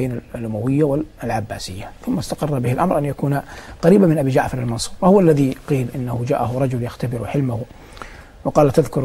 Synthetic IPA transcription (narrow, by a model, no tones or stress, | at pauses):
ejːnalʔʊmawɪjːawɪlʕabːaːsɪjːaθʊmːast̪aqɑrˤːɑbɪhɪlʔamɾʔanjakuːnaqɑɾiːbamɪnʔabiːd͡ʒaʕfɑɾˤalmɑnsˤu̥ːɾwahʊwalːaðiqiːlʔɪnːahʊd͡ʒa̰ːʔaɦʊɾˤɑd͡ʒʊljaxt̪abɪɾħɪlmahʊ | wɑqɑːlt̪aðkʊɾ